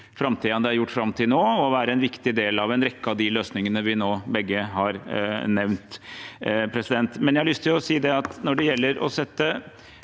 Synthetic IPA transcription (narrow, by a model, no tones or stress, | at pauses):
fɾɑmt̪ʰiːɑnd̪ɛæɾjʊʈːfɾɑmːt̪ʰɪnoːɔʋæːɾəɛnʋɪkt̪ɪd̪eːlɑʋɛnɾɛkːəɑʋd̪ɪløːsnɪŋənəʋɪnoːbɛɡːəhɑɾnɛʋnt̪ | pʰɾɛsɪd̪ɛnt̪mɛnjæhɑlʏst̪ʰɪjʊɔsiːd̪ɛɑt̪nɔɖɛjɛlːəɾɔ̰sɛt̪ːə